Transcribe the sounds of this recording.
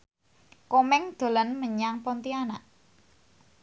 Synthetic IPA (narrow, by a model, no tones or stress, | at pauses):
komɛŋd̪̥o̤lənməɲaŋpɔnt̪ianaʔ